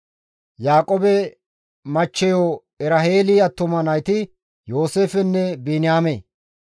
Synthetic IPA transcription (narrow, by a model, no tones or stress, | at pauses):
jaːkʼoːbɛ | mɐt͡ʃːɛjoː | ɛɾɐɦeːliɐt̪ːʊmɐnɐjt̪ɪ | jo̞ːseːfɛnːɛbeːnɪjaːmeː